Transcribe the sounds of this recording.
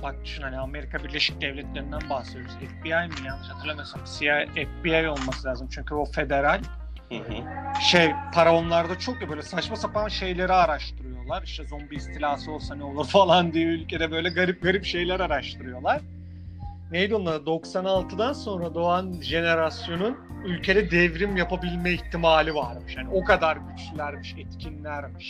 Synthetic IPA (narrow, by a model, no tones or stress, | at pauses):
bak̚d̪y̥ʃynhaniame̞ɾikʰabiɾlʲe̞ʃi̥c̚d̪ɛvlʲɛt̪lʲe̞ɾind̪ænbahsled̪joɾuzɛfbiajmijamsat̪ʰɯɾlˠamajosabi̥siaɛfbiajo̞lˠmasɯlʲaːzɯmt͡ʃʰyɲcʰybufe̞d̪e̞ɾalʲ | ʃejpʰaɾaonlˠaɾd̪at͡ʃʰo̞kjibø̞jlʲɛsat͡ʃmasapanʃe̞jlʲe̞ɾiaɾaʃt̪ʰɯɾɯjo̞lˠaɾiʃt̪ʰɛzombiist̪ʰilʲaːsɯo̞lˠsanɛolˠuɾfalˠand̪ijɛylʲcʰed̪ɛbø̞jlʲɛɡaɾip̚ɡaɾipʃe̞jlʲæɾaɾaʃt̪ʰɯɾɯjo̞lˠaɾ̥ | nejd̪onˠaɾad̪o̞ksanalˠt̪ʰɯd̪anso̞nɾad̪o̞anʒe̞ne̞ɾasjo̞nun | ylʲcʰe̞d̪ɛd̪ɛvɾimjapabilʲmɛiçt̪ʰːimaːlʲivaɾmɯʃjaːnʲio̞kad̪aɾɟyt͡ʃlylʲæɾmiʃɛt̪cʰinlʲæɾmiʃ